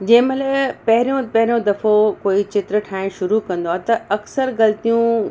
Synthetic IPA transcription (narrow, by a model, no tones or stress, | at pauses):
d͡ʑɐ̃ːɪ̃məlepɐɦɪɾijõpɐɦɪɾijõd̪ɐfokoːit͡ɕɪt̪ɾəʈʰaːɪɽ̃ʃʊɾukɐ̃nd̪oaːt̪ɐɐksəɾɣɐlt̪ijũ